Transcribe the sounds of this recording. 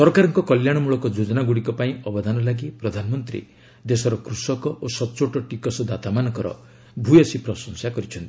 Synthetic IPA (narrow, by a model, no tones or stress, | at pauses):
sɔɾkaɾɔŋkɔkɔljaɽ̃ɔmuɭɔkɔd͡ʒod͡ʒɔnaɡuɽikɔpaĩɔbɔd̪ʱanɔlaɡipɾɔd̪ʱanmɔnt̪ɾḭ | d̪esɔɾɔkɾusɔkɔʔosɔt͡ʃoʈɔʈikɔsɔd̪at̪amanɔkɔɾɔ̰ | bʱujɔsipɾɔsɔŋsakɔɾit͡ʃʰɔnt̪i̥